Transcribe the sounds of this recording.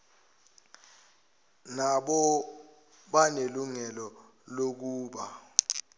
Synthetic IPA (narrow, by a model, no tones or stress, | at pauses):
naɓɔ | ɓaneluŋɛlɔ | lok̬uːɓa